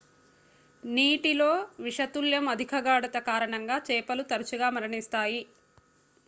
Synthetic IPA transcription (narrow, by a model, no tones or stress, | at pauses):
niːʈilo̞ːʋiʂɐt̪uljɐmɐd̪ʱikʰɐɡaːɽɐt̪ɐkaːɾɐɳɐŋɡaːt͡ʃɛːpɐlut̪ɐɾɐt͡ʃuɡaːmɐɾɐɳist̪aːji